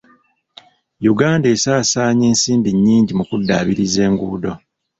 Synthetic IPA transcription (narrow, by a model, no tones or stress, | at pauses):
juɡaːnde̞ːsaːsaːɲe̞ːnsiːndiɲːiːɲɟimukudːa̰ːβiɾize̞ːŋɡuːdo